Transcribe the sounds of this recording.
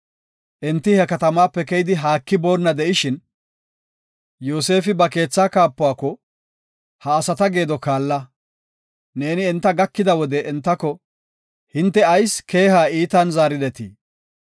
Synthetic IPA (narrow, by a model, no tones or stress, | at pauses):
ʔɛnt̪ːɪhɛkɐt̪ɐmaːpːɛkɛjɪd̪ɪɦaːkːɪbo̞ːnːɐd̪ɛʔɪʃɪn | joːse̞ːfɪbɐke̞ːt͡sːaːkaːpːʊaːkːɔ | hɐːsɐt̪ɐɡe̞ːd̪ɔkaːlːɐ | ne̞ːnɪɛnt̪ːɐɡɐkːɪd̪ɐwɔd̪ɛɛnt̪ːɐkːɔ | hɪnt̪ːɛɐjske̞ːhaːiːt̪ɐnzaːɾɪd̪ɛt̪iː